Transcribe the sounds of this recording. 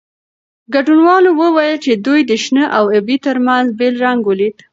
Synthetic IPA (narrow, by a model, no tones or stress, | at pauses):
ɡaɖunwɑlowəwajəlt͡ʃed̪ujd̪əʃnəʔawebit̪əɾmanzbelɾaŋɡwəlit̪